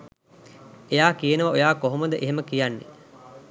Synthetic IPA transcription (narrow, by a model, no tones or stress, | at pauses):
ejaːkijənəʋɐojaːkoɦoməd̪əʔeɦeməkijanːḛ